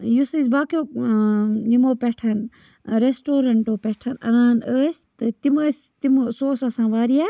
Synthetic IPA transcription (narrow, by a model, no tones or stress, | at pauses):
jusis̬baːkijo | nimoːpeʈʰɐn | ɾesʈoːɾɐɳʈoːpeʈʰɐnɐ̰naːnəːst̪ɨt̪imɐst̪imosoːsɐsãːʋaːɾijaː